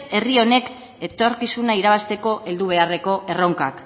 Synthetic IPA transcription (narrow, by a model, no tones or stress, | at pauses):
e̞rio̞ne̞k | e̞t̪o̞ɾkisunaiɾaβ̞ast̪e̞ko̞ʔe̞ld̪uβ̞e̞are̞ko̞ʔe̞ro̞ŋka̰k